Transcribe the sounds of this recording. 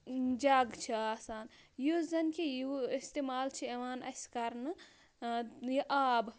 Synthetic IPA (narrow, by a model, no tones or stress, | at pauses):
d͡ʒaɡt͡ʃʰiaːsaːnjuzɐnkʰijuist̪eːmaːlt͡ʃʰiɐʋaːnɐ̰sʲkɐɾnɨ | jiʔaːb